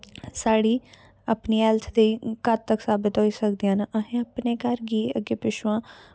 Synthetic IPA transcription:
saːɽiː | apniːɛːlt̪ʰd̪iːkətt̪əksaːbɪt̪ɦoːiːsəkd̪ijãːnəʔəɦẽəpneːkəɾɡiːəɡeːpɪʃʊãː

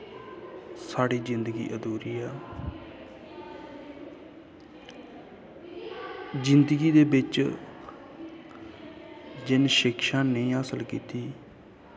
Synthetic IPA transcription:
saːɽiːd͡ʒɪnd̪əɡḭːʔəd̪uːɾiːɛː | d͡ʒɪnd̪əɡiːd̪eːbɪt͡ʃ | d͡ʒɪnʃɪkʰʃãːnəĩːəsəlkiːt̪iː

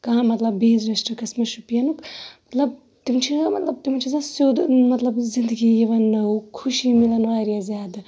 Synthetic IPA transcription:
kɐɦãmɐt̪lɐbːeːzɾesʈɐkɐsmɐʃupijɐnukmɐt̪lɐb̚ | t̪imt͡ʃʰimɐt̪lɐb̚t̪imɐnt͡ʃʰizaːsjoːd̪mɐt̪lɐbzind̪əɡijiʋɐnːɐwkʰuʃimilɐnʋaːɾijazaːd̪

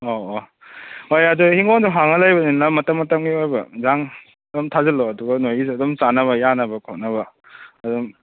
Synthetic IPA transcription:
oo | ojɐduhiŋonduɦaŋɐlajbɐninɐmɐtɐmːɐtɐmɡiojbɐzaŋ | dɔmtʰazɐloɐduɡɐnojizdɔmsanɐβɐjanɐbɐkʰawnɐbɐː | dɔm

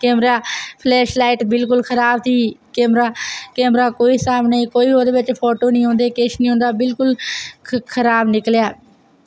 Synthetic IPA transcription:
kɛːmɾaːpʰlɛːʃlaːɪʈbɪlkʊlkʰəɾaːbt̪ʰiːkɛːmɾaːkɛːmɾaːkoːiːsaːmneaːikoːiːɦoːd̪eːʋɪt͡ʃpʰoːʈoːnĩːɦõːnd̪eːkɪʃnĩːɦõːnd̪aːbɪlkʊl | kʰəɾaːbnɪkljaː

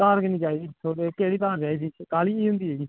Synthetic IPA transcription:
ãːɾknĩːt͡ʃaːiːd̪iːsʰoɾekeːɽiːt̪ãːd͡ʒaːiːd̪iːkaːliːiːɦʊ̃nd̪iːɦeːɡiː

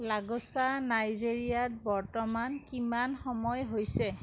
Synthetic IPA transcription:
laɡɔsanajzeɹijat̚bɔɹtɔmankimanxɔmɔjɦojsɛ

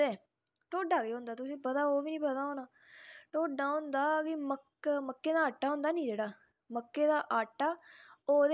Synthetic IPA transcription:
eː | ʈoːɖaːɡeːɦʊ̃nd̪aːt̪ʊsĩːpət̪aːoːʋiːnĩːpət̪aːɦoːnaː | ʈoːɖaːɦʊ̃nd̪aːkɪməkməkːeːd̪aːaːʈːaːɦʊ̃nd̪aːnĩːd͡ʒeːɽaː | məkːeːd̪aːʔaːʈːaːoːd̪

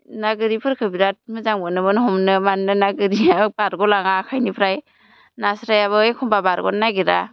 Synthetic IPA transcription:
naɡɯɾipʰɯɾkʰɯbiɾat̚mɯzaŋbɯnɯbɯnhɔmnɯmanːɯnaɡɯɾiabaɾɡɔlaŋakʰajnipʰɾaj | nasɾajaβɯekʰɔmbabaɾɡɔ̰nnaɡiɾa̰

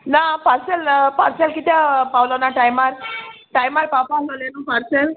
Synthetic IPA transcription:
napaɾselpaɾselkit̪apawlɔnaʈajmaɾʈajmaɾpapaɡalenupaɾsel

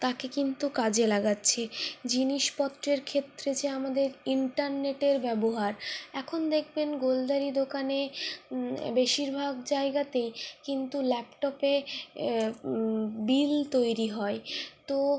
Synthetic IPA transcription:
t̪akekint̪ukad͡ʑelaɡatːɕʰed͡ʑiniʃpɔt̪ːɾeɾkʰet̪ːɾet͡ɕeamad̪eɾiɳʈaɾneʈeɾbɛboɦaɾɛkʰond̪ekʰbenɡold̪aɾid̪okane | beʃiɾbʱaɡd͡ʑaeɡat̪ejkint̪ulɛpʈɔpe | bilt̪ojɾiɦɔet̪o

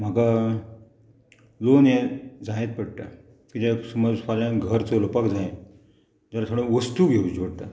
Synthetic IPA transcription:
m̤aka | lonɦẽd͡zajẽt̪̚pəɽʈ̪a̰ | kit̪ẽsuməd͡zfaljãnɡʱəɾt͡solpakd͡zaẽ | d͡ʑalat̪ʰoɽ̃ẽʋəst̪uɡʱeud͡ʑʱoɽt̪a̰

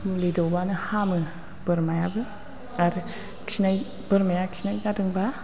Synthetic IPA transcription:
uledɔwbanɯhamɯ | b̥ɯɾmajabɯ | aɾɯ | kʰi̥sinaj | b̥əɾmajakʰi̥sʰinajzadɯŋba

